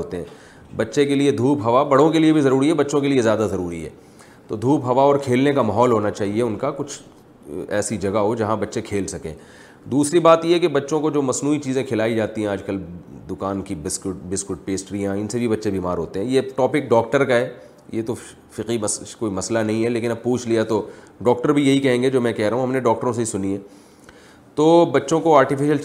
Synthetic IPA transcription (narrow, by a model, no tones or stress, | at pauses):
oːt̪eɦɛ̰̃ː | bɐtːʃekelied̪ʱuːpɦɐʋabɐɽõkeliebʱizɐɾuːɾiɦɛbɐtːʃõkeliezjaːd̪azɐɾuːɾiɦɛ̰ː | t̪oːd̪ʱuːpɦɐʋaɔːɾkʰeːlnekamaɦɔːlɦoːnat͡ʃaːɦieʊnkakʊt͡ʃʰ | ɛ̰ːsid͡ʒɐɡaɦod͡ʒɐɦãbɐtːʃekʰeːlsɐkḛ̃ː | d̪uːsɾibaːt̪jeɦɛkebɐtːʃõkod͡ʒoːmɐsnuːit͡ʃiːzẽkʰɪlaːid͡ʒaːt̪iɦɛ̃aːd͡ʒkɐld̪ʊkaːnkibɪskʊʈbɪskʊʈ̚peːsʈɾijãɪnsebʱibɐtːʃebʱiːmaːɾɦoːt̪eɦɛ̃jeʈɔːpɪk̚ɖɔːk̚ʈəɾkaɦɛː | jet̪o | fɪqimɐskoːimɐslanɐɦĩɦɛleːkɪnɐb̚puːt͡ʃʰlijat̪o | ɖɔːk̚ʈəɾbʱijɐɦikɛɦẽːŋɡed͡ʒoːmɛ̃kɛɦɾɐɦũɦɐmneɖɔːk̚ʈəɾõs̬eisʊniɦɛ̃ː | t̪oːbɐtːʃõkoaːɾʈɪfɪʃəl